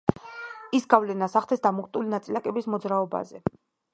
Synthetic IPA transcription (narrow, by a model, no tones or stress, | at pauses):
isɡavlɛnasaχd̪ʰɛsd̪amɔkʰʼt̪ʼulinat̪sʼilakʼɛbismɔd̪zɾaɔba̰zɛ